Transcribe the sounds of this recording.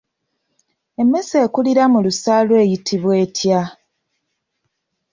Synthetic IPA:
e̞mːe̞se̞ːkuliɾamulusaːlwe̞ːjitʰiβwe̞ːtʰja

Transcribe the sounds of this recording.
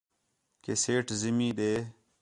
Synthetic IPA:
keseːʈzimiːd̪eː

